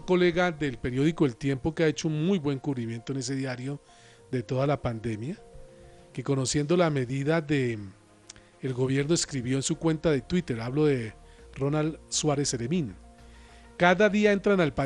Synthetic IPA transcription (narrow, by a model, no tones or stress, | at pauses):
ko̞le̞ɣaðe̞lpe̞ɾjo̞ðiko̞ðelt̪je̞mpo̞keae̞t͡ʃounmujbwe̞ŋkuβɾimje̞nt̪oene̞s̬e̞ðjaɾjo̞ | d̪e̞t̪o̞ðalapand̪e̞mja | keko̞no̞sje̞nd̪o̞lame̞ðiðaðe | lɡo̞βje̞ɾno̞eskɾiβjo̞ensukwe̞nt̪aðe̞t̪wit̪e̞ɾaβlo̞ðe̞ro̞nalswaɾe̞selemĩn | kaðaðiae̞nt̪ɾanalpa